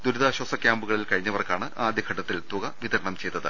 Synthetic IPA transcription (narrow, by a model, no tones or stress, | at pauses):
d̪uɾuðaːɕwɐsɐkʲjaːmbuɣɐɭilkɐɻiɲːɐʋɐrkːaːɳɨʔaːd̪jɐkʰːɐʈːɐt̪ːilt̪uɣɐʋiðɐɾɐɳɐmt͡ɕe̞jt̪ːɐðɨ̰